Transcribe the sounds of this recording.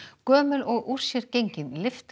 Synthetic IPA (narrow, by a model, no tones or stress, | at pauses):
kœːmʏlɔɣʔuɾ̥sjɛɾcejɲcɪnlɪft̪